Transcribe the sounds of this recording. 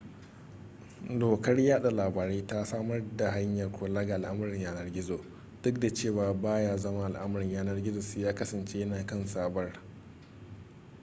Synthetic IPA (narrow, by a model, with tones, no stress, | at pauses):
doː˨kɐ˦rjaː˦ɗa˨laː˨baː˨ɾeː˦ta˦saː˦mɐ˦rda˨ɦa˦ɲjɐ˨rkʷoː˨laː˦ɡa˨ʔa˨lʔa˦m˨ɾɪ˨ɲjaː˦nɐ˦rɡʲɪ˦zoː˨ | d̥ʊ˦k̚da˨t͡ʃeː˦˨waː˨baː˦jaː˦zɐ˦ma˦ʔa˨lʔɐ˦m˨ɾɪ˨ɲjaː˦nɐ˦rɡʲɪ˦zo˨su˨jaː˦kɐ˦sɐ˨nt͡ʃeː˦jɐ˦naː˨kɐ˦nsaː˦bɐ˦r